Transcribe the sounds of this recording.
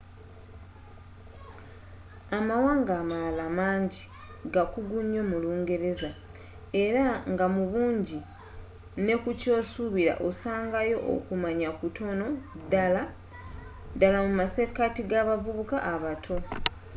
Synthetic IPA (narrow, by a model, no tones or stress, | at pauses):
amawaːŋɡaːmalamaːɲɟi | ɡakuɡuɲːo̞muluːŋɡe̞ɾe̞za | e̞ɾaŋɡamuβuːɲɟi | ne̞kuco̞ːsuβiɾa̰ʔosaːŋɡajo̞ʔo̰kumaɲakutʰo̞no̞dala | dalamumase̞katiɡaβavuβukaʔːβatʰo̞